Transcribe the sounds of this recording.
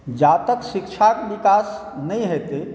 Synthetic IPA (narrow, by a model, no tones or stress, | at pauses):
d͡ʒat̪əksikt͡ʃʰakbikas | nəjɦet̪e